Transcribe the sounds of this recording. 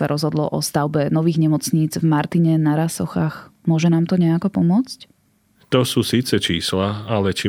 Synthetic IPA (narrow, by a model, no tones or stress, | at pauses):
aɾɔzɦɔd̪lɔʔɔst̪aʊbɛnɔʋiːɣɲɛmɔt͡sɲiːd͡zvmaɾt̪iɲɛnaɾasɔxaːxmʊɔʒɛnaːmt̪ɔɲɛakɔpɔmʊɔt͡sc | t̪ɔsuːsiːt͡sɛt͡ʃiːslaalɛt͡ʃi